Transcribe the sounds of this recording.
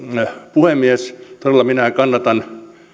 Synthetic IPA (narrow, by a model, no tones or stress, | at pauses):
puhemːiest̪orelːˑɑminækɑnːɑt̪ɑn